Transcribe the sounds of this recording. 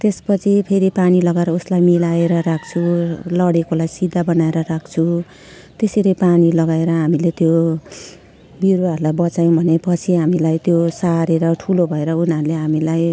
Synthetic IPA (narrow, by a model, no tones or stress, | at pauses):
t̪espʌt͡sʰipʰeɾipanilʌɡaeɾʌuslajmilaeɾʌɾak̚ʰt͡sʰulʌɽekolajsid̪ʱːabʌnaeɾʌɾak̚ʰt͡sʰu | t̪eseɾʌjpanilʌɡaeɾʌɦamilet̪jo | biɾaʌɾulajbʌt͡sajõbʱʌnepʌt͡sʰiɦamilajt̪josaɾeɾʌʈʰulobʱʌeɾʌunaɾuleɦamilaj